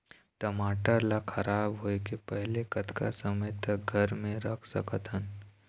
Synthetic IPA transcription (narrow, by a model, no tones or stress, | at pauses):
ʈɐmaːʈalakʰɐɾaːbɦoekepɛɦlekɐt̪ʰka̰səməjt̪ək̚ɡʱɐɾmẽɾɐkʰsɐ̰kət̪ɦən